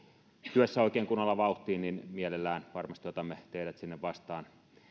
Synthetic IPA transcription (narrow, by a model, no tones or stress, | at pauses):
t̪yøsːæoˑikeːŋkunːolːɑʋɑˑuht̪ˑiːnninmielelːæːnʋɑrmɑst̪yot̪ɑmet̪eiɾæt̪sinːeʋʋɑst̪ɑːn